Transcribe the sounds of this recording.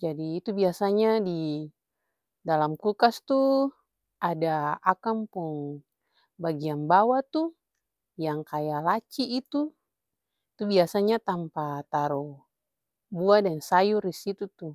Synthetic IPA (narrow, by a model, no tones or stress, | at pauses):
d͡ʒadiːt̪ubiasaɲadi | dalamkukast̪u | ʔadaakampuŋ | baɡianbawat̪u | jaŋkajalat͡ʃiːt̪u | it̪ubiasaɲat̪ampat̪aɾu | buadansajurisit̪ut̪u